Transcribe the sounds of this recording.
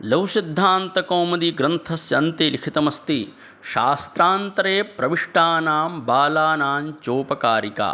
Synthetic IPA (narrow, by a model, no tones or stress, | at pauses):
lɐwsid̪ʱːaːnt̪ɐkoːmɐd̪iɡɾɐnt̪ʰɐsjɐnt̪ilikʰit̪ɐmɐst̪i | ʃaːst̪ɾaːnt̪ɐɾeːpɾɐʋiʂʈaːnaːmbaːlaːnaːnt͡ʃoːpɐkaːɾika̰